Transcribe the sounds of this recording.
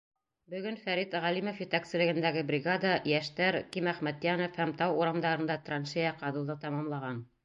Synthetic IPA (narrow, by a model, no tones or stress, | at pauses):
bɵ̆ɡɵnfæɾit̪ʁælimofjɘ̆t̪æksɘ̆lɘ̆ɡɘ̆nd̪æɡɘbrʲɪɡad̪ɑjæʃt̪æɾkimæχmæt̪jænofhæmt̪ɑwuɾɑmd̪ɑɾɤ̆nd̪ɑt̪rɑnʃejɑqɑðɤ̆lˠd̪ɤt̪ɑmɑmlˠɑʁɑn